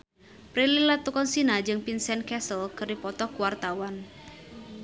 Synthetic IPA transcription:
pɾelilat̪ukɔnsinad͡ʒɨŋpinsɛnkɛsəlkɨrdipɔt̪ɔkuwart̪awan

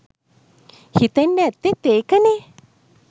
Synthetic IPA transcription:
hit̪anɛt̪ːet̪ekane

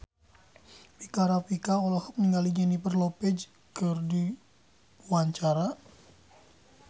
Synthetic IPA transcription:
pikaɾapikaolɔhɔk̚niŋɡalid͡ʒanipərlopɛd͡ʒ | kɨrdi | puaɲt͡ʃaɾa

